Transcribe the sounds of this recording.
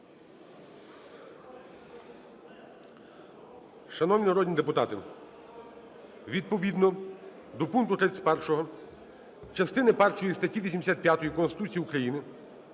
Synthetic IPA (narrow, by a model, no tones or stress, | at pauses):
ʃɐnɔwnʲinɐɾɔd̪ʲnʲid̪epʊt̪ɑt̪ɪ | ʋʲid̪̚pɔʋʲid̪nɔ | d̪ɔpunkt̪ʊt̪ɾɛsʲpɛrʃɔɦɔ | t͡ʃɐst̪ɪnɪpɛrt͡ʃɔjist̪ɐtʲiʋʲisʲimd̪esʲat̪̚pʲjat̪ɔjikɔnst̪ɪ̥t̪ut͡sʲijiukɾɐjinɪ